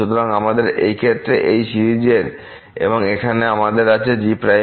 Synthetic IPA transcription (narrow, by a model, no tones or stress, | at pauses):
ut̪oɾaŋamad̪eɾejkʰet̪ːɾeʔejʃiɾid͡ʑeɾ | ḛboŋekʰaneamad̪eɾat͡ɕʰed͡ʑipɾa